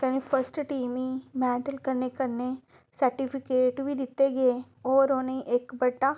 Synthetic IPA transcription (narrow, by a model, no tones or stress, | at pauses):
kanipʰəɾsʈʈiːmĩmɛ̃ːʈəlkɐɾnekɐɾne | sɐɾʈipʰɪkeːʈbʱid̪ɪt̪ːeɡɐe | ɔːɾoːneĩʔeːkbɐʈːa